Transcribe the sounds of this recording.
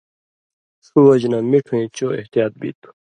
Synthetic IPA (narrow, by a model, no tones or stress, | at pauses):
suɐd͡ʑnaːmiʈʰũĩːt͡ɕoeht̪ijaːt̪̚bḭːt̪u̥